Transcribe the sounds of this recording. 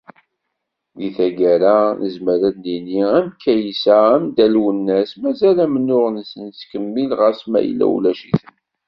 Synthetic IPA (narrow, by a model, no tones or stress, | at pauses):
ðiθæɡæɾanəzməɾænːiniæmkʰːæjisææmd̪ælwənːæsmæzælæmənːʊʁənsənt͡skəmːilʁəɾsmæ̰jə̰lːæ̰wlæʃiθən